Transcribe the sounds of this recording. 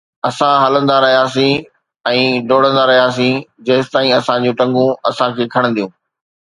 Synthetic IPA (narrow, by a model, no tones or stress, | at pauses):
ɐsãɦɐlə̃nd̪aɾɐɦijaːsĩ | ɛ̃ːɖoːɽ̃ə̃nd̪aɾɐɦijaːs̬ĩd͡ʑɐːɪsɪt̪aːĩɐsãd͡ʑũːʈɐ̃ŋɡũɐsãkʰeːkʰɐɽ̃nd̪ijũː